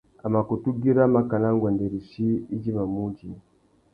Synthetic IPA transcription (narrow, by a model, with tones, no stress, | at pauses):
a˨ma˨ku˨tu˦ɡi˦ɾa˦ma˨ka˨na˦ŋɡwa˨nde˨ɾi˨ʃi˦i˦d͡ʒi˦βa˨mu˦d͡ʒi˨